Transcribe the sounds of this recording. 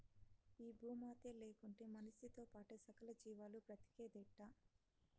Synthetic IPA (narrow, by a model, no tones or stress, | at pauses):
iːbuːmaːt̪eːle̞ːkuɳʈeːmɐnɐsit̪oːpaːʈesɐkɐlɐd͡ʒiːʋaːlupɾɐt̪i̥keːd̪ɛʈːaː